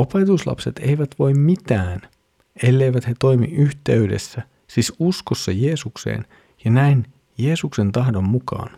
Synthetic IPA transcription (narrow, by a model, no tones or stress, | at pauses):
o̞pe̞t̪uslɑ̰pset̪e̞̰iʋæt̪ʋo̞jmmit̪æːn | e̞lːe̞jʋæt̪he̞t̪o̞jmḭʔyht̪e̞yde̞̰sːæ | sisuskosːɑje̞ːsuksḛːn | jɑnæin | je̞ːsukse̞nt̪ɑhdo̞mːukɑ̰ːn